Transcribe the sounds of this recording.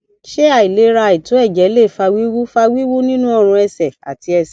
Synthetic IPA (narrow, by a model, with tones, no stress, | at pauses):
ʃe˦a˨i˨le˨˦ɾa˧˨i˨to˨˦ɛ˦˨d͡ʒɛ˨˦le˦˨fa˧wi˦wu˦fa˧wi˦wu˦nĩ˦nũ˦ɔ˦˨ɾ̃ũ˧ɛ˧sɛ˨a̰˨ti˧ɛ˧sɛ˨